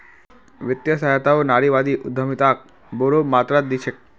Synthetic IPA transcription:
ʋɪt̪jəsaɦat̪aonaɾiʋad̪iʔʊd̪ʱːəmit̪ak̚ | boɾomat̪ɾat̪̚d̪it͡ʃʰek̚

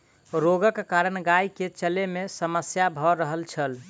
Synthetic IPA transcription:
ɾoɡəkkːaɾənɡaiket͡ʃəlemesəməsjabʱɔɾəɦəlt͡ʃʰəl

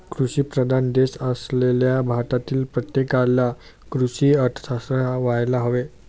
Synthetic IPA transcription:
kɾuɕiːpɾəd̪ʱand̪esəsleljabʱaʈ̪at̪iːlpɾət̪jekalja | kɾusiːəɾt̪ʰə̥sʰasɾəʋajlaɦoʋe

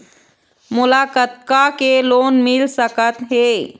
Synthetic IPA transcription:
mʊlakət̪kakeloːnmilsəkət̪ɦe

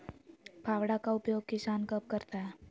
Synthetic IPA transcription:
pʰaʋɽakaupjoɡ̚kisankəp̚kəɾt̪ae

